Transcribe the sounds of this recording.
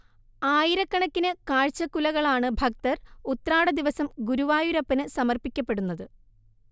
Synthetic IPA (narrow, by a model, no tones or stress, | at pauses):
aːjiɾɐkːɐɳɐkːinɨkaːɻt͡ɕːɐkːulɐɣɐɭaːɳɨbʱɐk̚t̪ɐrut̪ːɐraːɽɐd̪iʋɐsɐmɡuɾuʋaːjuɾɐpːɐnɨsɐmɐrpikʲːɐpːe̞ɽunːɐðɨ